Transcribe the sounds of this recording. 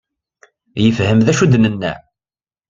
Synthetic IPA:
jəfhəmðæʃud̪nənːæ̰ʕ

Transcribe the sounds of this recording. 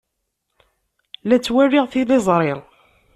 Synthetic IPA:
læt͡sːwærɪʁθiðɪzˤɾˤɪɾˤ

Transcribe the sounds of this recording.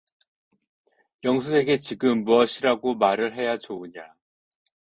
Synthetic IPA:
jʌŋsʰue̞ɡe̞t͡ɕiɡɯmːuʌɕʰiɾaɡomaɾɯɭɦe̞jat͡ɕouɲa

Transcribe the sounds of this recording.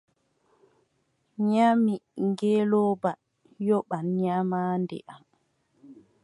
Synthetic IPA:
ɲamiŋɡɛlɔːba | jɔɓanɲamaːndɛ̰ʔam

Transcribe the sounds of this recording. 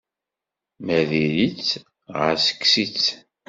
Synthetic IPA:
mæðiɾit͡sː | ʁə̰ɾsə̥kːsit͡sː

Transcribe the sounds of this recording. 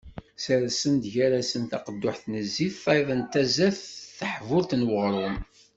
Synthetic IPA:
saɾæsənd̪ʝæɾasənt̪ɑqəd̪ːʊħθnəzːiθˤɑðˤənt̪æzæθθəħvʊɾt̪nwəʁɾˤʊm

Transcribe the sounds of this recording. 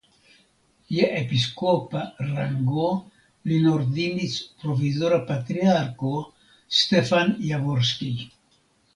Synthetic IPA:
jeʔepiskoparaŋɡo | linoɾd̪inispɾofizoɾapat̪ɾiaɾko | st̪efanjavoɾski

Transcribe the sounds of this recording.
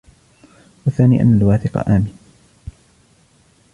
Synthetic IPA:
waθaːnḭːʔa̰nːalwaːθɪqɑ̰ʔaːmɪn

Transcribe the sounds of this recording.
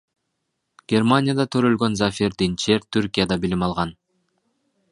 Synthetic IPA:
ɡ̥ʲe̞rmanʲɪjad̪ɑt̪ʰø̞ɾø̞lɡø̞nzafʲiɾd̪int͡ʃe̞ɾt̪ʰyɾkʲijad̪ɑbilimɑlˠʁɑn

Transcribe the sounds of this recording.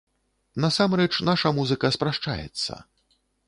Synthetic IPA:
nasamrɛt͡ʂnaʂɐmuzɨkɐspɾaʂt͡ʂa̰jɛ̰t̪sːɐ̰

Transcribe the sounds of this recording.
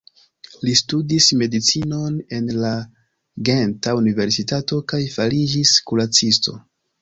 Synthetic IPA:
listudisme̞dit͡sino̞ne̞nla | ɡentaunive̞ɾsitato̞kajfalid͡ʒiskulat͡sisto̞̰

